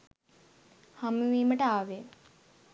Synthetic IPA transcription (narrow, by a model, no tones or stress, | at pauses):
hamuʋiːməʈəaːʋe